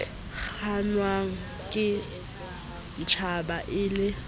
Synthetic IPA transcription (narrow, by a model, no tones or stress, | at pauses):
k͡xanwaŋ̩ | kʼɪ | n̩t͡ʃʰabaʔɪːlɪ